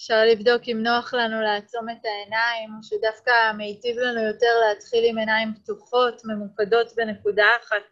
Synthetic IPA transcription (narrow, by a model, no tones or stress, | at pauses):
efʃaʁlivdo̞kimno̞aχlanuleat͡so̞me̞tae̞naimoʃedafkamejtivlanujo̞te̞ʁleatχilime̞naimbtuχo̞tme̞mukado̞tbe̞ne̞kudaːχat̚